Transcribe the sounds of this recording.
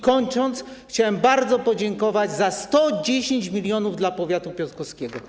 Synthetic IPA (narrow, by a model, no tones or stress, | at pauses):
kɔɲt͡ʂɔnt̪sxt͡ɕawɛmbaɾd̪zɔpɔd͡ʑɛŋkɔvad͡ʑzast̪ɔd͡ʑeɕeɲt͡ɕmʲilʲjɔnuvd̪lapɔvʲjat̪upʲjɔt̪kɔskʲɛɡɔ